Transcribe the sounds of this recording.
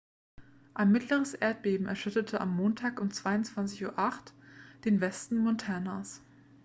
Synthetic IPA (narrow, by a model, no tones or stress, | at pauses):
ʔaɪnmɪtləʁ̞əsʔeːɐt̚b̥eːbm̩ɛɐʃʏtətʰəʔa̰mːoːntʰaːkʊmt͡sv̥aɪʊnt͡sv̥ant͡sɪçuːɐʔaχtd̥eːnvɛstn̩mɔntʰɛɐnas